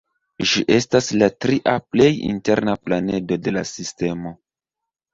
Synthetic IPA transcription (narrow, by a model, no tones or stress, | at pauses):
ʒiʔe̞staslatɾiʔaple̞jḭnte̞ɾnaplane̞do̞de̞lasiste̞mo̞